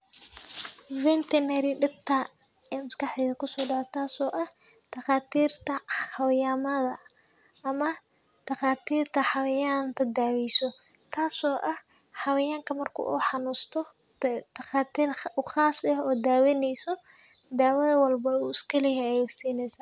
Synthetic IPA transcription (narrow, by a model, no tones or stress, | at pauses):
vɪnt̪ʰɛnɛɾɪɖɪb̚t̪ʰa | ɛːmʊskɑħɛːðɐkʰʊsɔːɖɑʕɔt̪ʰaːsɔːʔɐh | d̪̥ɐqaːt̪ʰiːrt̪ʰɐħɑwjaːmɐðɐ | ʔɐmɐ | d̪̥ɐqaːt̪ʰiːrt̪ʰɐħɑwjant̪ʰɐd̪aːwɛjsɔ | t̪ʰaːsɔːʔɐh | ħɑwɐjaːŋkʰɐmɐrkʰʊ̰ːʔṵːħɑnuːst̪ʰɔ | d̪̥ɐqaːt̪ʰiːruχaːsɐɔːd̪aːwɛnɛjsɔ | d̪aːwɐðɐwɐlbɐuːɪskʰɐlɛɦɛɛjɛsiːnɛjsaː